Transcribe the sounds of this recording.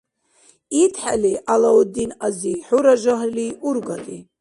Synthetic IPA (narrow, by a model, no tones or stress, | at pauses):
itʰħa̰liʔalawud̪inaziħuɾaʒʷaɦliurɡʷat̪ʼi